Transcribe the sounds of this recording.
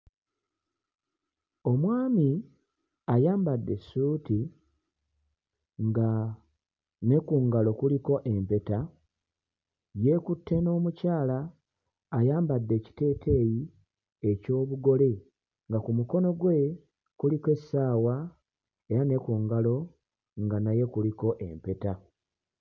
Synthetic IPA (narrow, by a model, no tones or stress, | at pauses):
o̞mwaːmi | ajaːmbadːe̞suːti | ŋɡa | ne̞kuŋɡalo̞kuliko̞ʔe̞mpe̞ta | je̞kutʰːe̞no̞ːmucaːlaː | jaːmbadːe̞ːci̥te̞ːtʰe̞ːji | e̞co̞ːβuɡo̞le̞ | ŋɡakumuko̞no̞ɡwe̞ | kulike̞sːaːwa | e̞ɾane̞kuːŋɡalo̞ | ŋɡanaje̞kuliko̞ʔe̞̰mpe̞ta